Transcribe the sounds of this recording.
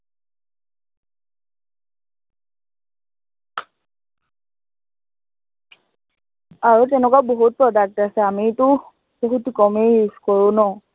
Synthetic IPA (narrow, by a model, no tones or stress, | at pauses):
aɹutɛnɛk̬aboɦut̚pɹɔdak̚tasɛamitu | b̥oɦutkɔmeiskɔɹũnɔ